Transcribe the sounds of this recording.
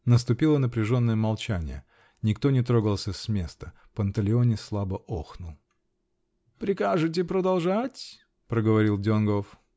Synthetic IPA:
nəs̬t̪ʊpʲilˠənəpɾʲɪʐo̞nːəjəmɐlˠt͡ɕænʲɪ̰jə̰ | nʲɪkt̪o̞nʲɪt̪ɾo̞ɡəlˠsʲəsʲmʲe̞st̪ə | pənt̪əlʲɪonʲɪslˠabəʔoxnʊlˠ | pɾʲɪkaʐɨt̬ʲɪpɾəd̪ɐlˠʐatʲ | pɾəɡəvɐɾʲilˠdʲonɡof

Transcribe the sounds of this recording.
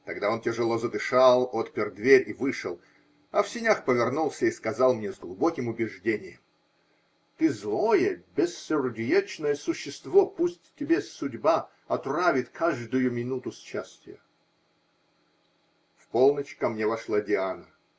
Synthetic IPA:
t̪ɐɡd̪ao̞ntʲɪʐɨlˠozəd̪ɨʂalˠot̪pʲɪrd̪vʲeɾʲivɨʂɨlˠ | ɐfsʲɪnʲaxpəvʲɪrnulˠsʲəiskɐzɑlˠmnʲezɡlˠʊbokʲɪmʊbʲɪʐdʲenʲɪjəm | t̪ɨzlˠojəbʲɪsːʲɪrdʲjet͡ɕnəjəsʊɕːɪst̪vopusʲtʲtʲːɪbʲesʊdʲba | ɐt̪ravʲɪt̪kʰaʐd̪ʊjʊmʲɪnut̪ʊsʲt͡ɕasʲtʲɪjə̰ | fpolˠnət͡ɕkɐmnʲevɐʂlˠadʲɪanə

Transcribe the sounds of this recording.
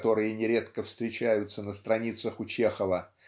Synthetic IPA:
t̪o̞ɾɨjənʲɪɾʲe̞t̪kəfst̪ɾʲɪt͡ɕæjʊt̪sənəst̪ɾɐnʲit̪səxʊt͡ɕe̞xəvə

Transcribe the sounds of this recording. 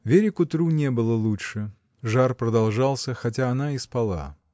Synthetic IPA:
vʲeɾʲɪkʊt̪ɾunʲebɨlˠəlˠuʂɨ | ʐarpɾəd̪ɐlˠʐɑlˠsʲəxɐt̬ʲaːnaɪspɐlˠa̰

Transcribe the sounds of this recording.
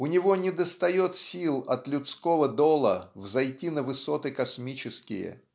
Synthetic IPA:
ʊnʲɪvonʲɪd̪əst̪ɐjot̪sʲilˠɐt̪lʲʊt̪skovəd̪olˠəvzɐjtʲinəvɨsot̪ɨkɐsmʲit͡ɕɪskʲɪ̰jə̰

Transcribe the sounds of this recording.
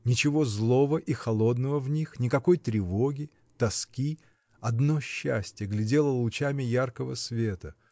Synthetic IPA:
nʲɪt͡ɕɪvo̞zlˠo̞vəʔixɐlˠo̞d̪nəvəvnʲixnʲɪkɐko̞jt̪ɾʲɪvo̞ɡʲɪ | t̪ɐskʲi | ɐd̪no̞ɕːæ̰sʲtʲjəɡlʲɪdʲe̞lˠəlˠʊt͡ɕamʲɪjarkəvəsvʲe̞t̪ə

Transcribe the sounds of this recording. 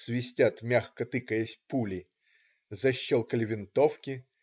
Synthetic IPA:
svʲɪsʲtʲat̪mʲaxkət̪ɨkəjesʲpulʲɪ | zɐɕːolˠkəlʲɪvʲɪnt̪o̞fkʲɪ

